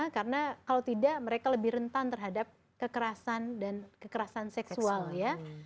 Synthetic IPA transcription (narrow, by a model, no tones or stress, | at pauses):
karənakalawt̪idaʔməɾekaləbɪhɾənt̪ant̪ərɦadap̚ | kəkəɾasandankəkəɾasansɛkssualja